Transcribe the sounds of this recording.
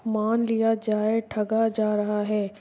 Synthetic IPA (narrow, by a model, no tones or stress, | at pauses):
maːnlijad͡ʒaːeʈʰɐɡad͡ʒaːɾɐɦaɦɛː